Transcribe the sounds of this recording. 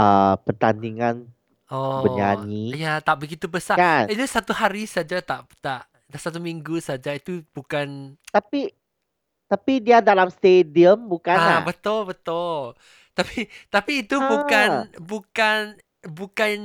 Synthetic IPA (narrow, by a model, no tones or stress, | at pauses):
əpərt̪andiŋan | ʔɔəɲaɲiijat̪aʔbəɡit̪ubəsaanit̪usat̪uhaɾisad͡ʒat̪aʔt̪aʔ | dasat̪umiŋɡusad͡ʒait̪ub̥ukant̪api | t̪apidiadalamst̪ediəmbukanabət̪ʊlbət̪ʊl | t̪apit̪apiːt̪ubukanbukan | bukan